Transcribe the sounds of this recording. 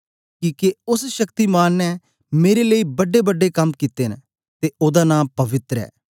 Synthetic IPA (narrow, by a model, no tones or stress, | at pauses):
kiːkeʊsʃəkt̪iːmaːnːɛ | meːɾeləiːbəɖeːbəɖːekɐmkit̪eːn | t̪eːoːd̪aːnãːpəʋɪt̪ɾɛ̰ː